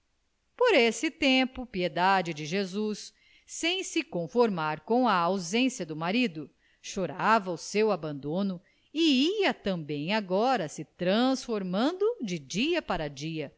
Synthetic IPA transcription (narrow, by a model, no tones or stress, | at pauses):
poɾesɪt̪ẽpʊpied̪ad͡ʒɪd͡ʒɪʒezusː | ẽj̃sɪkõfoɾmaɾkõw̃ɐːwzẽsjɐd̪ʊmaɾid̪ʊ | ʃoɾavɐʊsewabɐ̃nd̪õnʊ | ɪiɐt̪ɐ̃bẽj̃aɡɔɾɐsɪt̪ɾɐ̃sfoɾmɐ̃nd̪ʊd͡ʒɪd͡ʒiɐpaɾɐd͡ʒiɐ